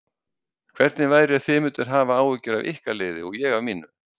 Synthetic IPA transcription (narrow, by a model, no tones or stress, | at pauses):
kʰv̥ɛɾt̪nɪvaːjɾɪaθɪmʏːt̪ʏɾ̥ɦaːvaaːwvɪcʏɾavḭhkalɪːðɪɔɣjɛɣavmiːnʏm